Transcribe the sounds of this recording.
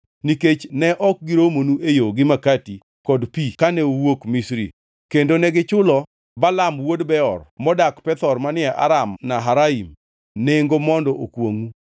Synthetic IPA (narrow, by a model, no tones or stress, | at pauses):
niket͡ʃnɛʔɔk̚ɡiɾomonuejoɡɪmakati | kɔdpikanɛowokmisɾḭ | kendonɛɡɪt͡ʃʊlɔ | balamwodbɛɔrmɔdakpɛt̪ɔrmanɪaʔa̰ɾamnaɦaɾaim | neŋɡomɔndɔʔokwoŋu